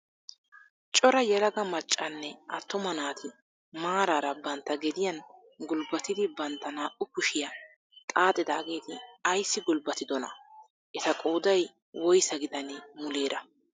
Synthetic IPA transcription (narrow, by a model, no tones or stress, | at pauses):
t͡ʃʼɔɾɐjɛlɐɡɐmɐt͡ʃʼːɐnːɛʔɐt̪ːʊmɐnaːt̪ʰɪ | maːɾaːɾɐbɐnt̪ːɐɡɛd̪ɪjɐn | ɡʊlbɐt̪ɪd̪ɪbɐnt̪ːɐnaːʔʊkʊʃɪjɐ | kʼaːt̪ʼːɪd̪aːɡe̞ːt̪ɪɐjsːɪɡʊlbɐt̪ɪd̪ɔnɐ̰ | ʔɛt̪ɐkʼo̞ːd̪ɐj | wɔjsɐɡɪd̪ɐnɪmʊle̞ːɾɐ